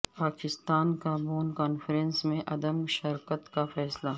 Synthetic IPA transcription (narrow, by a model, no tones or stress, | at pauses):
paːkɪst̪aːnkaːbuːnkaːnfɾensmẽʔɐd̪əmʃɐɾkət̪kafɛːsla